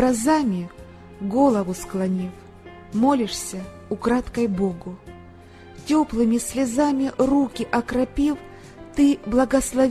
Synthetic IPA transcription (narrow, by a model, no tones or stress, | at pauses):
ɐzamʲɪ | ɡo̞lˠəvʊsklˠɐnʲif | molʲɪʂsʲə | ʊkɾat̪kɐjboɡʊ | tʲoplˠɨmʲɪsʲlʲɪzamʲɪrukʲɪʔɐkɾɐpʲif | t̪ɨblˠɐɡɐslˠɐ